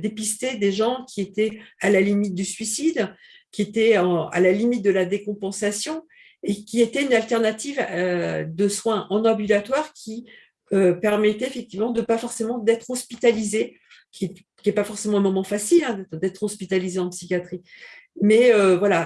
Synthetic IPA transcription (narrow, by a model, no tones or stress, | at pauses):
d̪epist̪ed̪eʒɑ̃kʲʰiet̪ɛalalimit̪̚d̪ysɥisid̪ | kʲiet̪ɛɑ̃a̰lalimit̪̚d̪əlad̪ekɔ̃pɑ̃sasjɔ̃ | ekʲiet̪ɛynalt̪ɛʁnat̪ivød̪əswɛ̃ʔɑ̃nɔ̃bylat̪waʁkʲi | øpɛʁmɛt̪ɛefɛk̚t̪ivmɑ̃d̪əpafɔʁsemɑ̃d̪ɛt̪χɔspit̪alize | kʲʰit̪ | kʲiɛpafɔʁsemɑ̃ɛ̃mɔmɑ̃fasilɛ̃d̪ɛt̪d̪ɛt̪χɔspit̪alizeɑ̃psikʲjat̪χimɛøvwala